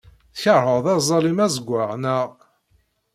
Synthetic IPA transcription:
θçəɾˤəʁðæzˤɑlimæzəɡʷːaʁnəʁ

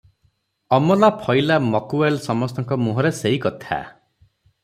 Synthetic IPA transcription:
ɔmɔlapʰɔjlamɔkuelsɔmɔst̪ɔŋkɔmuɦɔɾeseɦikɔt̪ʰa̰

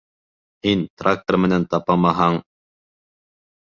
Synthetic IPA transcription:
hint̪rʔak̚t̪ərmɘ̆nænt̪ɑpɑmɑɦɑɴ

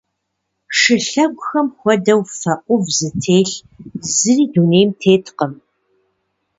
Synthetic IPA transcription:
ʂɨɬɐɡʷʼxɐmxʷɔdɐwfɐʔʷʊvzɨtʰeːɬ | zɨriːdunejmtʰeːtʰqəm

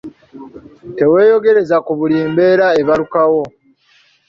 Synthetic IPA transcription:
te̞weːjo̞ɡe̞ɾe̞zakuβuliːmbe̞ːɾae̞βalukawo̞

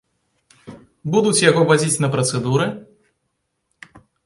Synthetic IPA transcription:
bud̪ut͡sʲjaɣɔvad͡zʲit͡sʲnɐpɾɐt̪sɛd̪uɾɨ

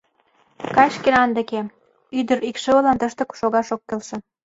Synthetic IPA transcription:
kɑjʃkenɑnd̪ə̆ke | yd̪ə̆ɾikʃɤ̆ŏlɑnt̪ə̆ʃt̪ɤ̆ku̥ʃoɣɑʃokːelʃĕ

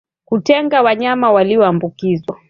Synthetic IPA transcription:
kutɛŋɡawaɲamawaliɔambukizwa

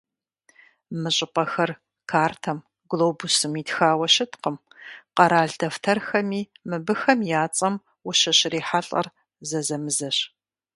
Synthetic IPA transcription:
mɨɕʼɪpʼɐxɐr | kʰaːrtʰɐm | ɡloːbusɨmiːtxaːwɐɕɪtqəm | qɐɾaːɮdɐftʰɐrxɐmiːmɨbɨxɐmjaːt͡sʼɐm | wʊɕɐɕriːħaɬʼɐ̰r | zɐzɐmɨzɐɕ

